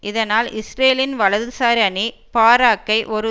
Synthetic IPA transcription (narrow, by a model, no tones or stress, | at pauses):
ʔɪðɐnaːlɪsɾeːlɪnʋɐɭɐðɯsaːɾɐni | paːɾaːkːɐɪʔɔɾɯ